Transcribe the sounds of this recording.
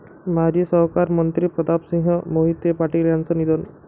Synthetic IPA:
maɾisəɦkaɾmənt̪ɾipɾəd̪apsĩŋɦəmoɦit̪jepaʈiljant͡sənid̪ɔn

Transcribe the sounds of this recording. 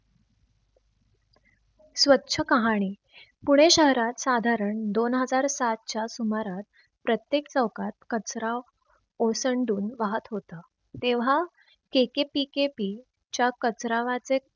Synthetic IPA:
sʋətːɕʰəkəɦaɽ̃iː | puɽ̃eɕəɦɾat̪sad̪ʱaɾəɳd̪onɦəd͡zaɾsat̪̚t͡ɕjasumaɾat̪̚ | pɾət̪jekt͡səwkat̪̚kət͡sɾa | osəɳɖuːnʋaɦət̪ɦot̪ə | t̪eʋ̤a | kekepikepi | t͡ɕjakət͡sɾaʋat͡se

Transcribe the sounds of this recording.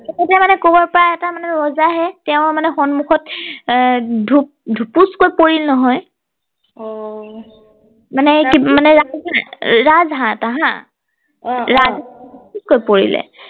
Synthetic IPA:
kɛkɛtɛmanɛkobɔɹpɔɹaɛtamanɛɹɔzaɦɛtɛʊ̃manɛxɔnmuxʰɔt | dʱup̚dʱupuskojpoɹilnɔɦɔj | manɛkimanɛɹazãɹazɦãtaɦã̰ | ɹazadʱupuskojpoɹḭlɛ̰

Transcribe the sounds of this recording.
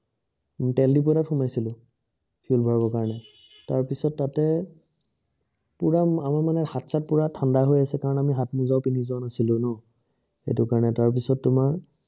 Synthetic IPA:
tɛldip̬ɔɾatxʊmajsilʊ̃ | pʰiulbʱɔɹabɔkaɹɔnɛ | taɹpisɔtːatɛ | puɹaamaɹmanɛhatsat̚puɹatʰandaɦojasɛkaɹɔnamiɦatmuzaʊpinizɔɔnasilʊ̃nɔ | xḛtʊkaɹɔnɛtaɹp̬isɔtːʊmaɹ

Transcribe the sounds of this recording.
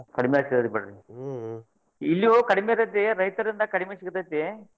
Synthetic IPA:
kɐɽimeasikt̪ɐd̪ibɐɽɐɾi | ilːjokɐɽimeɐt̪ɐt̪̬eɾɐjt̪ɐɾind̪ɐkɐɽimesikɐt̪ɐt̪ːe

